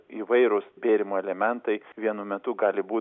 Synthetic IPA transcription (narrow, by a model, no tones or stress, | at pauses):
iʋɐɪɾʊsbʲeːɾʲɪmoːɛlʲɛmʲɛnt̪ɐɪʋʲiɛnʊmʲɛt̪ʊɡɑːlʲɪbuː